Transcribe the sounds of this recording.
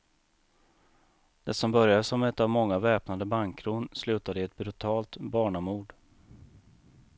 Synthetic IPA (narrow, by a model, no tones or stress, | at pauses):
d̪̥ɛsɔmbœɾjasɔmɛt̪ːavmɔŋːavɛːpnad̪əbaŋkʰːɾuːnslʉ̟ːt̪ad̪əɛt̪̚bɾɵt̪ʰɑːlt̪bɑːɳamuːɖ